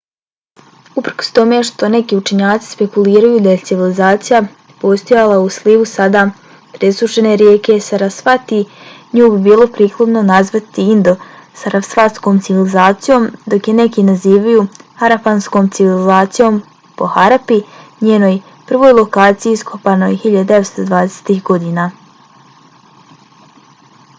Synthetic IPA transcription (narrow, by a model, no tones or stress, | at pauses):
upr̩ko̥st̪o̞me̞ʃt̪o̞ne̞kiut͡ʃe̞ɲaːt̪si̥spe̞kuliːɾajud̪aje̞t̪siʋilizaːt̪sija | po̞st̪o̞jalˠausliːʋusad̪a | pɾesuʃe̞ne̞ɾjeːke̞saɾasfat̪iɲuːbibiːlˠo̞pɾiːklˠod̪no̞nazʋat̪iind̪o̞saɾʔafsfaskomt̪siʋilizaːt̪sijo̞md̪o̞kjene̞kinaziːʋajuːhaɾapansko̞ːmt̪siʋilizaːt̪sijo̞m | po̞xaɾapiɲeːno̞j | pr̩ʋo̞jlˠo̞kaːt̪sijiiskʰopano̞jhiʎad̪ud̪e̞ʋest̪o̞d̪ʋaːd̪ese̥t̪ixɡo̞d̪iːna